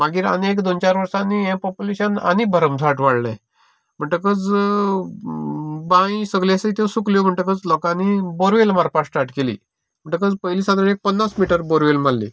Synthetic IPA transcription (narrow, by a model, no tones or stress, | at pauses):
maɡiːɾa̰nekd̪ont͡ɕaɾʋəɾsãnːiɛ̃pɔpjuleɕəna̰nibʱəɾəmd͡zʱaʈʋaɽlḛ̃ | m̤əɳʈəkəd͡z | bãĩsəɡljasəit̪ʰesukljom̤əɳʈəkət͡slɔkãniboɾʋelmaɾpasʈaɾʈkelḭː | m̤əɳʈəkəd͡zpəjliːsãd̪ɾəɳek̚pənːasmiʈəɾboɾʋelm̤alːḭː